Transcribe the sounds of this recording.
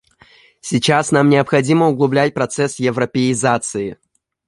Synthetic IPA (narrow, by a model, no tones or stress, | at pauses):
sʲɪt͡ɕasnamnʲɪɐpxɐdʲiməʊɡlˠʊblʲætʲpɾɐt̪sɛsjɪvɾəpʲɪɪzat̪sɨɪ